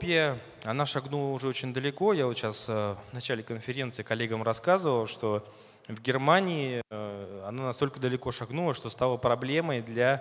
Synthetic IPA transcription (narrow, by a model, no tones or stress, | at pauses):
pʲɪjə | ɐnaʂɐɡnulˠəʊʐɛot͡ɕɪnʲd̪əlʲɪko̞jaot̪ɕasəvnɐt͡ɕælʲɪkənfʲɪɾʲe̞nt̪sɨːkɐlʲːeɡəmrɐskazɨvəlˠʂt̪o̞ | vɡʲɪrmanʲɪɪ | ɐnanɐst̪o̞lʲkəd̪əlʲɪko̞ʂɐɡnulˠəʂt̪o̞st̪alˠəpɾɐblʲe̞məjd̪lʲa